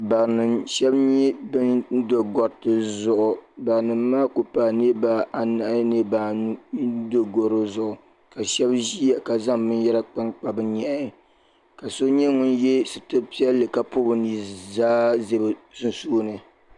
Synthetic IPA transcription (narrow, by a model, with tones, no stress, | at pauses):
ba˨nɨ˨mʃɛ˦bɲɛ˦bɨ˦n˦do˨ɡɔ˨ɾtɨ˦zʊ˦ʔʊ˨ba˨ŋ˨nɨ˨mːaː˦ko˨pa˨ne˦ba˨a˨na˨ʔne˦ba˨˦ | do˦ɡo˨ɾɨ˦zʊ˨ʔʊ˨ | ka˨ʃɛ˦bʒi˦a˨ka˨za˦ŋbɨ˦njɛ˦ɾa˦k͡pa˦nk͡pa˨bɨ˦ɲɛ˨ʔ | ka˨so˦ɲɛ˦ŋʊ˦njɛ˦sɨ˨tɨ˦pi˦ɛ˦lːɨ˨ka˨po˦bɨ˦ni˨zaː˦ze˦bɨ˨sɨ˦n˦soː˦nɨ˨